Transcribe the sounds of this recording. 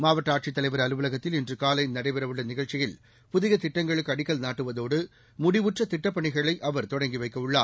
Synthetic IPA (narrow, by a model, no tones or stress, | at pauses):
maːʋɐʈːaːʈ̚t͡ʃɪt̪ːɐlɐɪʋɐɾɐlɯʋɯlɐɣɐt̪ːɪlɪndrɯkaːlɐɪnɐɽɐɪpɛɾɐʋɯɭːɐnɪɣɐɭt͡ʃɪjɪl | pʊðɪɣɐt̪ɪʈːɐŋɡɐɭɯkːɯɐɽɪkːɐlnaːʈːɯʋɐðoːɽɯ | mʊɽɪʋɯʈrɐt̪ɪʈːɐpːɐɳɪɣɐɭɐɪʔɐʋɐɾt̪ɔɽɐŋɡiʋɐɪkːɐɯɭːaː